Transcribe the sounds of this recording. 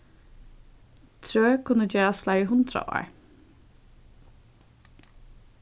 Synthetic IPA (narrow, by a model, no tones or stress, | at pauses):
t̪ʰɾøːkʰʊnːəd͡ʒeːɹasflaɪɹəɦʊnt̪ɾa̰ʔɔ̰ːɹ